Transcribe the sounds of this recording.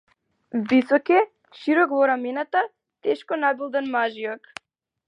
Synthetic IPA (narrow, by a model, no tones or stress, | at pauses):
visɔkɛ | ʃiɾɔkvɔɾamɛnat̪a | t̪ɛʃkɔnabilˠd̪anmaʒiɔk